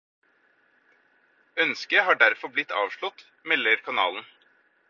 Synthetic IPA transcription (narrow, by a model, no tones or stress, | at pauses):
œnskəhɑːɖæɾfɔblɪt̪ːɑ̰ːʋʂɭɔt̪ | mɛlːəɾkʰɑnɑ̰ːln̩